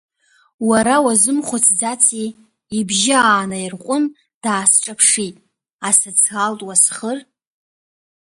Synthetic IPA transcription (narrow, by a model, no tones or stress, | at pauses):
waɾawazɨmχʷʊt͡sʰd͡zat͡sʰiː | bʒɪaːnairqʷʼʊn | d̥aːsʈ͡ʂʼapʰʂitʼ | asat͡sʰɡaltʼwasχər